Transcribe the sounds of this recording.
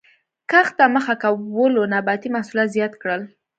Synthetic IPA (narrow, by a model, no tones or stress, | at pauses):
kaxt̪aməxakawəlonabɑt̪imahsulat̪zjɑt̪kɽəl